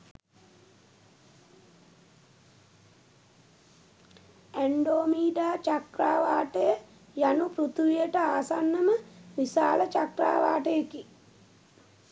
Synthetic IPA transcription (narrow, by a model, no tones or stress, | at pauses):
æɳɖoːmiːɖaːt͡ʃakɾaːʋaːʈəjə | janupɾut̪ʋijəʈəaːsanːəməʋisaːlət͡ʃakɾa̰ːʋa̰ːʈəjəki